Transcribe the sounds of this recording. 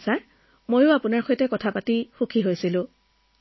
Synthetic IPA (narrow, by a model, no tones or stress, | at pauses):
sa | mojʊapunaɹxojtɛkɔtʰapatixukʰiɦojsilʊ̃